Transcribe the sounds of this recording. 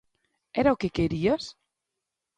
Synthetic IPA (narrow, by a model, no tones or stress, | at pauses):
ɛɾaokekeɾiɐs